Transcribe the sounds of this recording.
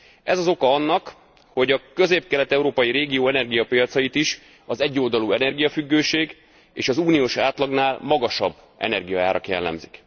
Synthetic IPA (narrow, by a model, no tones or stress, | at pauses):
ɛzɒzo̞kɒɒnːɒk | ho̞ɟɒkø̞zeːp̚kɛlɛt̪ɛuɾoːpɒjiɾeːɡijoːɛnɛrɡijɒpijɒt̪sɒjit̪iʃ | ɒzɛɟːoːld̪ɒluɛnɛrɡijɒfyɡːøːʃeːɡ | ḛːʃɒzuːnijoːʃaːt̪lɒɡnaːlmɒɡɒʃɒbː | ɛ̰nɛrɡijɒa̰ːɾʔɒkjɛlːɛ̰mzik